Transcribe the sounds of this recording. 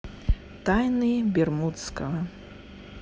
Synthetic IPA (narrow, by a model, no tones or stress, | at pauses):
t̪ajnɨbʲɛrmut̪skɐɐ